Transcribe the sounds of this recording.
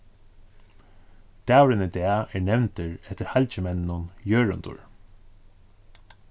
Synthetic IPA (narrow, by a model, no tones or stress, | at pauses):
d̪̥æːwɾɪnəd̪æːɛɹɳɛwnt̪əɹɛt̪əɾhalʲt͡ɕəmɛnnʊnjøːɹʊ̰nd̪ʊ̰ɹ